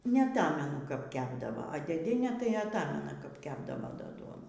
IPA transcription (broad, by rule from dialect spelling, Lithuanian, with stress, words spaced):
nʲɛɐˈtɑːmʲɛnʊ kɐp ˈkʲæːbdɐʋoː ɐ dʲeːˈdʲiɛnʲeː tɐɪ ɐtˈɑːmʲɛnɐ kɐp ˈkʲæːbdɐʋoː ˈdɐ ˈduɔnuː